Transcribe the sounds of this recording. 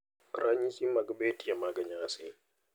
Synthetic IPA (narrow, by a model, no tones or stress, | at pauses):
ɾaɲisimːaɡbetijamaːɡɐɲaase